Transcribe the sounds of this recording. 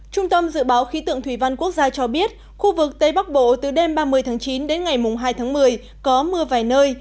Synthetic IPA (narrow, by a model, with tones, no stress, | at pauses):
t͡ɕʊ˧ŋ͡mt̪ə˧mzɨ̰˧˨ɓaː˨˦wxi˨˦t̪ɨ̰˧˨əŋt̪ʰwi˧˩va˧nku˦˥ək̚zaː˧t͡ɕɔ˧ɓi˦˥ət̚ | xu˧vɨ˨˩k̚t̪ə˧jɓa˦˥k̚ɓo̰˧˨t̪ɨ˨˩ɗe˧mɓaː˧mɨ˧˩əjt̪ʰːŋt͡ɕi˨˦nɗe˨˦nŋa˨˩jmʊ˨˩ŋ͡mɦaː˧jt̪ʰaː˨˦ŋmɨ˨˩əj | kɔ˨˦mɨ˧əvaː˨˩jnəː˧j